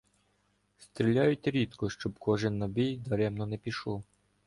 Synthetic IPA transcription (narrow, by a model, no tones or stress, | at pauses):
st̪ɾʲilʲajʊtʲɾʲit̪kɔʃt͡ʃɔbkɔʒɪnːɐbʲijd̪ɐɾɛmnɔnɛpʲiʃɔw